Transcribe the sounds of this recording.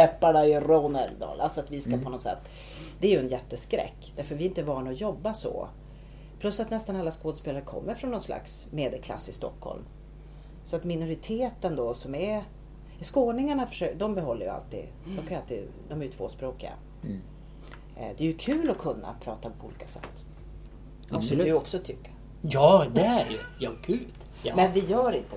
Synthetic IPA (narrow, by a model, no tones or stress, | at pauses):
ɛpːaɳaɪɾoːnəld̪ɑ̰ːlʔa̰lsɔat̪vɪskapʰɔnɔsɛ̰t̪ː | d̪ɛæɾjɵɛnjɛt̪ːəskɾɛ̰kːd̪̥æɾfœɾvɪɪnt̪əvɑːɳaɔjɔbːasɔ̰ | pʰlɵsːat̪nɛst̪analːaskoːd̪speːlaɾəkʰɔ̰mːəɾfɾɔnːɔnsla̰ks | meːd̪əlkʰla̰sːɪst̪ɔ̰kʰːhɔ̰lm | sɔat̪mɪnʊɾɪt̪ʰeːt̪ənd̪ɔsɔmɛ | skoːnɪŋaɳafœ̥ʂœd̪ɔmbɛɦɔlːə̰j̰a̰lt̪ḭːd̪ | d̪ɔmkʰanjʏalt̪iːd̪d̪ɔmæɾjʉt̪ʰv̥o̰ːspɾoːkɪɡa̰ | d̪ɛæjɵkʰʉ̟ːlɔkʰɵnːa̰pʰɾɑ̰ːt̪apʰɔuːliːkasɛ̰t̪ː | aɔksɔt̪ʰʏkːəɾ | jɑːd̪ɛæɾɛjɑkʰʉːt̪ | mɛnvɪjœːɾɪnt̪ə